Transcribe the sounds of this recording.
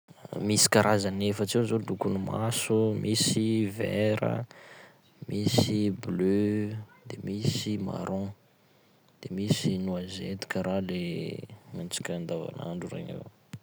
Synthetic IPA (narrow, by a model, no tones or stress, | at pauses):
misi̥kaɾʔazanefət͡sewzod̪ukunumasumʔisiveɾə̰ | misiblød̪emisima̰ɾʔɔ̃ | d̪̥emisinuazet̪u̥kʲəɾale | mant͡si̥kʲand̪ava̰na̰ɳɖ͡ʐuɾḛɲḛw